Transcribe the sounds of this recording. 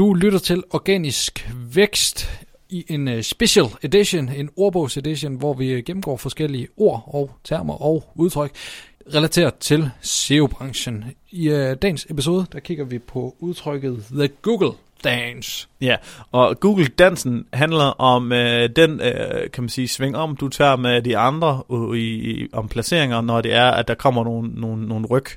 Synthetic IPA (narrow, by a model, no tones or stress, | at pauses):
n̥ulyɾ̥ɐt͡sʰe̝lɒɡ̥ɛ̰ːnisɡ̥ʋeɡ̥sd̥ | iʔe̝nsb̥eɕəled̥iɕone̝no̝ɐb̥ɔʊse̝d̥iɕo̝nʋɒʋiɡ̥emm̩ɡ̥ɒ̰ːfɒ̽sɡ̥el̰iəo̝ɐ̰ɒ̽ʊt͡sʰæɐmɐʔɒʊuð̞ˠt͡sʰʁœɡ̥ | ʁɛlæt͡sʰe̝̰ːɐt͡sʰe̝lse̝ob̥ʁɑ̈ŋɕənid̥ɛ̰ːnse̝pis̬o̝ːð̞ˠəd̥ækʰiɡ̥ɐʋipʰɒ̽uð̞ˠt͡sʰʁœɡ̥ð̩ˠðəɡ̥uːɡ̥l̩ | d̥ɛnsjæɒ̽ɡ̥uːɡ̥l̩d̥æn̰sn̩ɦænlɐʔɒ̽md̥enkʰæmænsiːsʋeŋ̰ɒ̽m̰d̥ut͡sʰæ̰ːmed̥iɑ̈nd̥ʁɐiɒmpʰlæse̝̰ɐ̰eŋɐnɒd̥e̝æɐæd̥ɑ̈kʰɒ̽m̰ɐno̝ːn̩ːoːn̩ːo̝ːn̩ʁœɡ̥